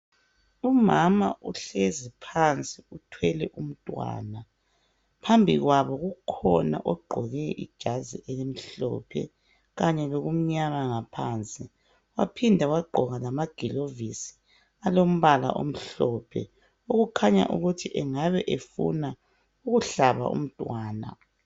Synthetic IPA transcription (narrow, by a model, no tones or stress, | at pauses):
umama̰ʔuɬezipʰant͡sʼiutʰwɛlɛʔum̩tʼwa̰ːna | pʰambʱiɣwaβɔɣukʰɔna̰ʔɔɡ͡ǃʱɔɣɛʔḭd̥ʒ̥ʱazḭʔɛlem̩ɬɔ̰pʰɛ̰ | ɣaɲɛloɣum̩ɲamaŋapʰaːnt͡sʼi | wapʰindʱawaɡ͡ǃʱɔɣalamaɡ̥ʱilovisi̥ | alom̩βala̰ʔo̰m̩ɬɔpʰɛ̰ | oɣukʰaɲa̰ʔṵɣutʰiʔɛŋaβɛʔefṵna | uɣuɬaβa̰ʔṵm̩tʼwaːna̰